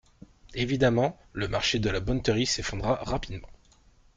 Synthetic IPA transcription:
evid̪amɑ̃ | ləmaʁʃed̪əlabɔnt̪əʁisefɔ̃d̪ʁaʁapid̪mɑ̰̃

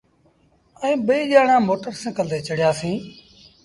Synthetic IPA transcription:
ə̃ːɓəiːʄaːɳãːmoːʈəɾsẽːkəld̪eːt͡ʃəɽɪjaːsĩː

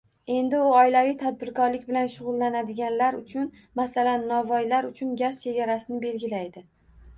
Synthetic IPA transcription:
e̞nd̪ɪʊɒjlavijt̪ʰad̪̚bɪɾkɒɾlɪkʲbɪlanʃʊʁʊlˠːanad̪ɪɡʲanlaɾʊt͡ʃʰʊn | masalanːɒvɒjlaɾʊt͡ʃʰʊnɡʲazt͡ʃʰe̞ɡʲaɾasɪnɪbe̞lɡʲɪlajd̪ɪ

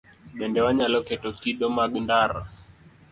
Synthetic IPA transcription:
ɓɛndɛwaɲalɔkɛtɔtiɗɔmaɡundaɾɔ̰

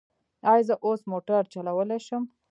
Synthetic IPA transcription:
ɑjzəʔosmoʈaɾt͡ʃalawəlejʃəm

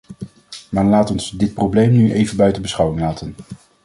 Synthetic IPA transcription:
maːɹlaːtɔnsdɪt̚prowblejmnyʔejvənbœɥtənbəsχɑwɪŋlaːtən

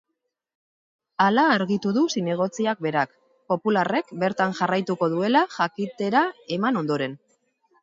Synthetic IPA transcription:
alaːɾɣit̪uðusine̞ɣ̞o̞t͡siak̚be̞ɾak | po̞pulare̞kbe̞ɾt̪anʝarajt̪uko̞ðue̞laʝakit̪e̞ɾae̞mano̞nd̪o̞ɾe̞n

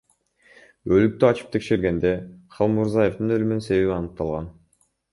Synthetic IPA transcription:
ølyk̚t̪yɑt͡ʃɯ̥pt̪ʰe̞kʃe̞ɾɡe̞nd̪e̞qʰɑlˠmuɾzajefd̪ɯnø̞lymynse̞βe̞βiɑnɯq̚t̪ɑlˠʁɑn

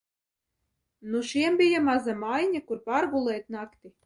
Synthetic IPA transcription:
nuʃiɛmbʲijamazamajɲʲakuɾpaɾɡulˠɛːt̪ʲnakt̪ʲi

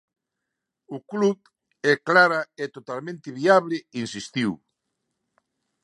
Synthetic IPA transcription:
ʊkluð | ɛklaɾaɛt̪ot̪almẽnt̪ɪβiaβlɪinsist̪iw

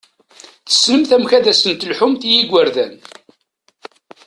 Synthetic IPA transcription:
θə̥snəmθæmçæðæsənt̪əlħʊmθjiɡʷːəɾðæn

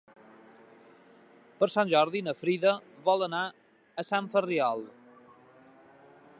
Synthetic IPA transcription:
pəɾsanʲʒɔɾðinəfɾiðəβɔlˠəna | əsaɱfəriɔlˠ

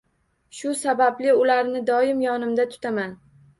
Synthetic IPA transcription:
ʃʊsabablɪʊlaɾnɪd̪ɒɪmjɒnɪmd̪at̪ʰʊ̥t̪ʰaman

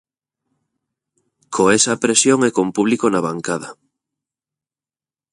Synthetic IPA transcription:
kʰoesɐpɾesjoŋɛkompuβ̞likonaβaŋkað̞ɐ

